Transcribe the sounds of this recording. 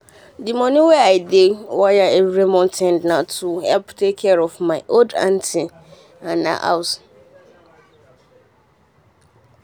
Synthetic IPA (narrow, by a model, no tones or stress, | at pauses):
dimɔ̃nʊ̃wɛajdewɔjɛewɾemɔ̃ntʰɛ̃ndnãtʰuhɛlptʰekʰːɛɾɔfmãɪʔodã̰ntʰɪ | ãnã̰ʔa̰ws